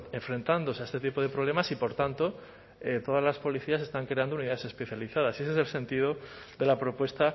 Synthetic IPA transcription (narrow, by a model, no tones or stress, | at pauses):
e̞ɱfɾẽ̞nt̪and̪o̞seae̞st̪e̞t̪ipo̞ð̞e̞pɾoβle̞masipo̞ɾt̪ant̪o̞ | et̪o̞ðazlaspo̞liθias̬e̞st̪aŋkɾeand̪ouniðaðese̞spe̞θjaliθaðase̞s̬es̬else̞nt̪iðo̞ | ðe̞lapɾo̞pwe̞st̪a